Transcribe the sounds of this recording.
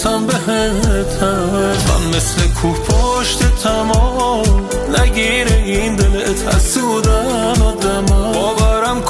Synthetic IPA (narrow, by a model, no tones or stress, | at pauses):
t̪ʰambeɦet̪ʰæ | mæ̰nmeslekʰupʰoʃt̪et̪ʰæmɔm | næɡiːɾeiːnd̪elet̪ʰæsud̪æ | nɔd̪æmɔɔːvæɾæmkʰ